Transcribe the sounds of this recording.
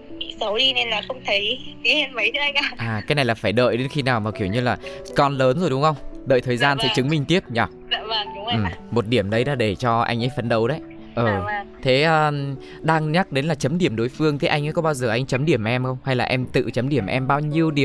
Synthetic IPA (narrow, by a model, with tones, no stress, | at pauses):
ḭ˧˨sə˨˦wɗi˧ne˧nlaː˨˩xə˧wŋ͡mt̪ʰə˨˦jki˨˦he˧nmə˨˦jt̪ʰə˨˦a˧jŋkaː˧˩ʔaː˨˩kaː˨˦jna˨˩jlaː˨˩faː˧˩jɗə̰ː˧˨jɗe˨˦nxi˧naː˨˩wmaː˨˩ki˧˩əwɲɨ˧laː˨˩kɔ˧nləː˨˦nzo˨˩jɗʊ˨˦ŋ͡mxə˧wŋ͡mɗə̰ː˧˨jt̪ʰəː˨˩jzaː˧nt̪ʰe˨˦t͡ɕɨ˨˦ŋmï˨˩ŋ̟t̪i˦˥əp̚ɲɔ˨˩˧ | və˨˩ŋɗʊ˨˦ʔɨ˨˩mo˨˩t̚ɗi˧˩əmɗə˨˦jɗa̰ː˧˩ɗe˧˩t͡ɕɔ˧ʔa̰˧jŋ̟ʔə˨˦jfə˨˦nɗə˨˦wɗə˨˦j | ʔəː˨˩˨t̪ʰe˨˦ʔəː˧ | ɗaː˧ŋɲa˦˥t̚ɗe˨˦nlaː˨˩t͡ɕə˨˦mɗi˧˩əmɗo˨˦jfɨ˧əŋt̪ʰe˨˦ʔa˧ŋʔaː˨˦kɔ˨˦ɓaː˧wzəː˨˩ʔa˧jŋ̟t͡ɕə˨˦mɗi˧˩əmʔɛ˧mxə˧wŋ͡mha˧jlaː˨˩ʔɛ˧mt̪ɨ̰˧˨t͡ɕə˨˦mɗi˧˩əmʔɛ˧mɓaː˧wɲi˧əwɗi˨˩ə